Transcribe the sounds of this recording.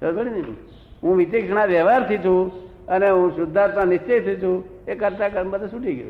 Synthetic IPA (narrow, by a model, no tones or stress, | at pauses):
əbəɽi | ɦũʋit̪ikʂəɳ̃ãʋɛʋaɾt̪ʰit͡ʃ̪ʰũ | əneɦũsʊd̪ʱːaɾt̪ãnɪst͡ʃet̪ʰːit̪ʰũ | ekəɾt̪akəɾmãt̪ẽsuʈiɡjṵ